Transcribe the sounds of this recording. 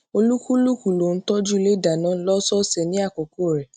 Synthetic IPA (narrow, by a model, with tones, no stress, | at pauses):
o˧lu˦ku˦lu˦ku˨lo˨n̩˦tɔ˦d͡ʒu˦le˦da˨nãː˨˦lɔ˦sɔ˦sɛ˨nĩ˨˦a˦˨ko˨ko˦˨ɾɛ˨